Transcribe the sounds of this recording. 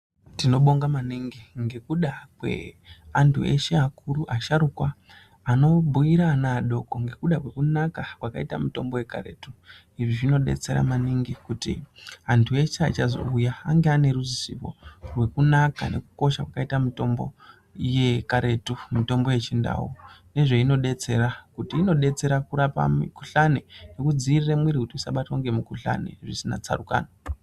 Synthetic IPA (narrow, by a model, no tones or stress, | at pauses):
tino̞ɓo̞ŋɡamaniŋɡiŋɡe̞kuɗakwe̞̰antʰue̞̰ʃeakuɾuʔaʃaɾukwaː | no̞bʱuiɾanaːɗo̞ko̞ŋɡe̞kuɗakwe̞kunakakwaka̰ita̰mito̞mbo̞je̞ka̰ɾe̞̰tu | iʐiʐino̞ɗḛt͡se̞ɾa̰maniŋɡikutḭantʰue̞ʃeat͡ʃazo̞̰ujaaŋɡeane̞ɾuzisḭpo̞̰rwe̞kunaka̰ne̞̰kuko̞ʃakwakaitamito̞mbo̞̰ | je̞kaɾe̞tumito̞mbo̞je̞t͡ʃinda̰wune̞ʐe̞ino̞ɗe̞t͡se̞ɾakutiːno̞ɗe̞t͡se̞ɾakuɾapa̰mikuɬanene̞kud͡ziːriremwiɾikutiisaɓatwaŋɡe̞mukuɬa̰nḛʐisina̰t͡sa̰ruka̰ːno